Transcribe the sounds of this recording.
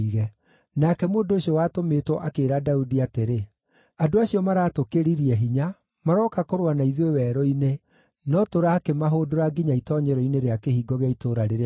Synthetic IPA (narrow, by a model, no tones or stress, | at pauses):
iɣɛ | nakɛmoːndoːɕiɔwaːtomeːtwɔʔakeːɾadaudiateɾe | adoaɕiɔmaɾaːtokeɾiɾiɛɦiɲa | maɾɔːkakoɾwanaiðwewɛːɾɔine | nɔtoɾaːkemaɦoːdoɾaɡiɲaitɔɲɛɾɔineɾeakehiːɡɔɣeaitoːɾaɾeɾe